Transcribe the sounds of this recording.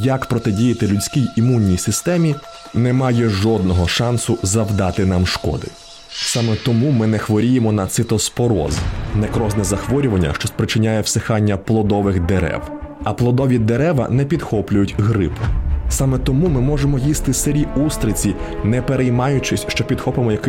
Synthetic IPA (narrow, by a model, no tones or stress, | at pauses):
jɐkpɾɔt̪ɛdʲijɐt̪ɪlʲʊt͡sʲkʲijimunʲːijsɪst̪ɛmʲi | nɛmɑjɛʒɔd̪̚nɔɦɔʃɑnsʊzɐwd̪ɑt̪ɪnɑmʃkɔ̰d̪ɪ̰ | sɑmɛt̪ɔmumɪnɛxʋɔɾʲijemɔnɐt̪sɪt̪ɔspɔɾɔ̰znɛkɾɔznɛzɐxʋɔɾʲʊʋɐnʲːɐ̰ʃt͡ʃɔspɾɪt͡ʃɪnʲajɛwsexɑnʲːɐplˠɔd̪ɔʋɪxd̪eɾɛ̰w | ɐplˠɔd̪ɔʋʲid̪eɾɛʋɐ̰nɛpʲid̪xɔplʲʊjʊtʲɦɾɪpʊsɑmɛt̪ɔmumɪmɔʒemɔjist̪ɪseɾʲiust̪ɾɪt͡sʲi | nɛpeɾejmɑjʊt͡ʃɪsʲʃt͡ʃɔpʲid̪xɔpemɔjɐk